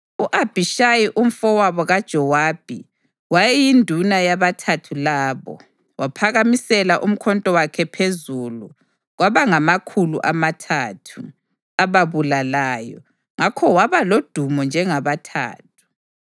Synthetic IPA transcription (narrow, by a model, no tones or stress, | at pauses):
uʔab̥ʱiʃajiʔum̩fɔwaβɔɣad̥ʒ̥ʱɔwaːb̥ʱḭ | wajɛjindʱunajaβatʰatʰulaːβɔ̰ | wapʰaɣamisɛlaʔum̩kʰɔntʼɔwakʰɛpʰezulu | ɣwaβaŋamakʰuluʔamatʰatʰu | aβaβulalaːjɔ̰ | ŋakʰɔwaβalod̥ʱumɔnd͡ʒʱɛŋaβatʰa̰ːtʰu̥